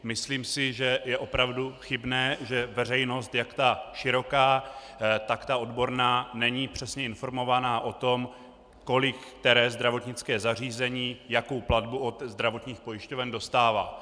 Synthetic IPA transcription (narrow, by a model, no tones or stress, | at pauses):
mɪsliːmsɪʒɛjɛʔo̞pɾavduxɪbnɛːʒɛvɛr̝ɛjno̞st̪jakt̪aʃɪɾo̞kaː | t̪akt̪aʔo̞dbo̞ɾnaːnɛɲiːpr̝̥ɛsɲɛɪnfo̞ɾmo̞vanaːʔo̞t̪o̞m | ko̞lɪkt̪ɛɾɛːzd̪ɾavo̞t̪ɲɪt͡skɛːzar̝iːzɛɲiːjako̞wpladbuo̞t̪zd̪ɾavo̞t̪ɲiːxpo̞jɪʃco̞vɛndo̞st̪aːva̰ː